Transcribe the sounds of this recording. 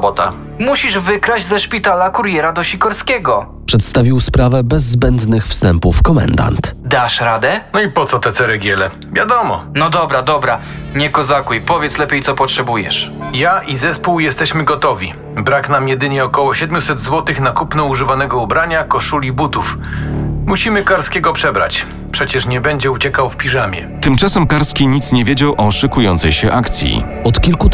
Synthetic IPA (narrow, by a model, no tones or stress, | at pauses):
bɔt̪a̰ | muɕiʐvɘkɾad͡ʑzɛʂpʲit̪alakuɾjɛɾad̪ɔɕikɔɾskʲɛɡɔ | pʂɛt̪st̪avʲiwspɾavɛbɛzːbɛnd̪nɘxfst̪ɛmpufkɔmɛ̰nd̪a̰nt̪d̪aʂɾad̪ɛnɔipɔt̪sɔt̪ɛt̪sɛɾɛɡʲjɛlɛ | vʲjad̪ɔmɔ̰nɔd̪ɔbɾad̪ɔbɾa | ɲɛkɔzakujpɔvʲjɛt̪slɛpʲjejt̪sɔpɔtʂɛbujɛ̰ʂjaʔizɛspuwjɛst̪ɛɕmɘɡɔt̪ɔvʲi | bɾaknamjɛd̪ɘɲɛɔkɔwɔɕɛd̪mʲjusɛd̪zwɔt̪ɘxnakupnɛuʐɘvanɛɡɔubɾaɲakɔʂulʲibut̪uf | muɕimɘkaɾskʲɛɡɔpʂɛbɾa̰t͡ɕ | pʂɛt͡ɕɛʂɲɛbɛɲd͡ʑɛut͡ɕɛkawfpʲiʐamʲjɛ̰t̪ɘmt͡ʂasɛmkaɾskʲiɲit̪sɲɛvʲjed͡ʑawʔɔʂɘkujɔnt̪sɛjɕɛʔakt̪sʲjḭ | ɔt̪kʲilku